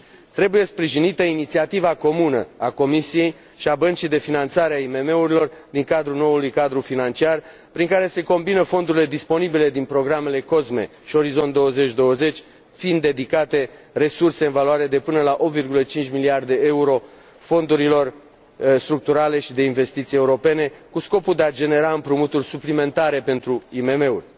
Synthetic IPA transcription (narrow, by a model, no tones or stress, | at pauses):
t̪ɾe̞buje̞spɾiʒinit̪əinit̪siat̪ivako̞munə̰ako̞misije̞j | ʃiabənt͡ʃijd̪e̞finant̪saɾeaime̞me̞uɾilo̞rd̪iŋkad̪ɾuno̞ulujkad̪ɾufinant͡ʃiar | pɾiŋkaɾe̞se̞ko̞mbinəfo̞nd̪uɾile̞d̪ispo̞nibile̞d̪inpɾo̞ɡɾame̞le̞ko̞zme̞̰ | ʃio̞ɾizo̞nt̪̚d̪o̞əze̞t͡ʃʲd̪o̞wəze̞t͡ʃʲ | find̪ːe̞d̪ikat̪e̞ | re̞surse̞ɨnvaluaɾe̞d̪e̞pɨnəlaʔo̞pvirɡulət͡ʃint͡ʃʲmiliard̪e̞e̞uɾo̞ | fo̞nd̪uɾilo̞r | st̪ɾuk̚t̪uɾale̞ʃid̪e̞inve̞st̪it̪sije̞uɾo̞pe̞ne̞kusko̞puld̪ead͡ʒe̞ne̞ɾaɨmpɾumut̪urʲsuplime̞nt̪aɾe̞pe̞nt̪ɾuime̞me̞urʲ